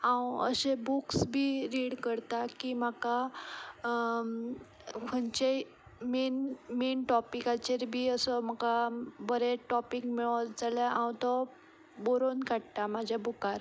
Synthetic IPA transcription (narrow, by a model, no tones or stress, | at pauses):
ãwə̰ɕebuksbʱiːɾiɽkəɾt̪akiːm̤aka | kʰənt͡ɕe | menmenʈɔpikat͡ɕeɾbʱiːəsɔm̤akabəɾeʈɔpikmiɭad͡zaləãwt̪ɔ | boɾonkaɽt̪amad͡ʑʱjabukaɾ